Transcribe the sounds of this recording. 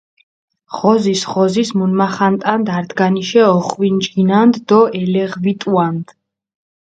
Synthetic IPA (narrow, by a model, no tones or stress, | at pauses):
χɔzisχɔzismunmaχant̪ʼand̪aɾd̪ɡaniʃɛɔχwind͡ʒɡinand̪d̪ɔɛlɛʁvit̪ʼuand̪̥